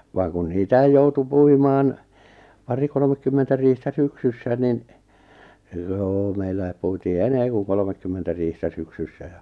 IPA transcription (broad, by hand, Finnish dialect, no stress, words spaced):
ʋɑːŋ kun niːtæij joutu puimɑːn pɑri kolomekːymːentæ riːhtæ syksysːæ nin joː meilːæi̞p puitiː eneː ku kolmekːymːentæ riːhtæ syksysːæ jɑ